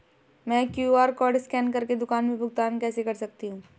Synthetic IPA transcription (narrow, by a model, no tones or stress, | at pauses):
mɛ̃ːkjuaːɾkɔːɾɖskɛːnkɐɾked̪ʊkaːnmẽbʱʊɡ̚t̪aːnkɛːsekɐɾsɐk̚t̪iɦũː